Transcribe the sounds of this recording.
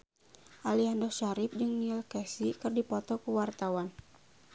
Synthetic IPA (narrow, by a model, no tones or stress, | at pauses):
ʔaliandɔʃaɾɪp̚d͡ʒɨŋnilkɛsikɨrdipɔt̪ɔkuwart̪awan